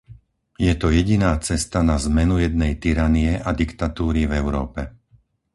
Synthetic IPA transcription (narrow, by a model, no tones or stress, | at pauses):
jɛt̪ɔjɛɟinaːt͡sɛst̪anazmɛnujɛd̪̚nɛjt̪iɾanijɛʔad̪ikt̪at̪uːɾivɛʊɾɔːpɛ